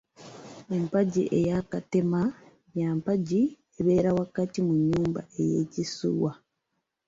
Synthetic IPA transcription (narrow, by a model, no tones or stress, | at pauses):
empaɟiʔejakatema | jaːmpaɟi | eβe̞ːɾawakatimuɲːuːmba̰e̞jeːcisṵwa